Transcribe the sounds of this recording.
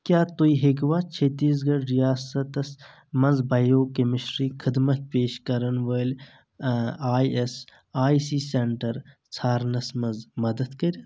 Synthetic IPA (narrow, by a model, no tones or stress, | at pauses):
kjaːt̪oiɦek̬ʋaːt͡ʃʰet̪iːs̬ɡɐɽɾijaːsɐt̪ɐs | mɐnzbɐjoːkemɪʃɾiːkʰɪd̪mɐt̪̚peːʃkɐɾɐnʋəːl | aːjes | aːisiːseɳʈɐɾ | t͡sʰaːɾnɐsmɐnzmɐd̪ɐd̪kɐɾʲɐ